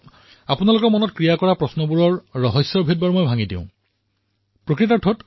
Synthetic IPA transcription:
apunalʊkɔɹmɔnɔtkɹijakɔɹapɹɔsnɔbuɹɔɹːɔɦɔsːɔɹbʱed̚baɹmojbʱaŋidḭ̃ʊ̃ | pɹokɹitaɹtʰot

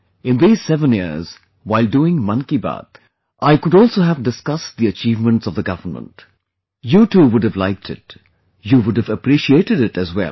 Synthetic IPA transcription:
ɪ̃nðiz̥sɛvə̃njɪz̥ | waɪlduɪ̃ŋmʌ̃nkiba̰t̪ | ʔaɪkʊɾɔlˠsoːɦævdɨskʌst̚d̪iət͡ʃiːvmə̃ntsɔvðəɡʌvənmə̰̃nt | juʈuːwʊdɨvla̰ɪk̚tʰɪ̰t̚ | juwʊɖɨvəpɾiʃieɪʈɨɾɪtɨzwɛ̰l

